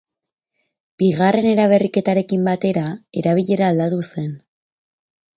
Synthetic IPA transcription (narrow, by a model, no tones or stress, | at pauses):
b̥iɣare̞ne̞ɾaβ̞e̞rike̞t̪aɾe̞kimbat̪e̞ɾae̞ɾaβ̞iʎe̞ɾaːld̪at̪use̞n